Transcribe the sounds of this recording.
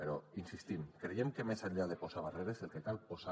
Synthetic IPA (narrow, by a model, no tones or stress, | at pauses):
eɾoinsist̪imkɾejemkemezaʎaðeposaβ̞areɾezelˠkekalˠpoza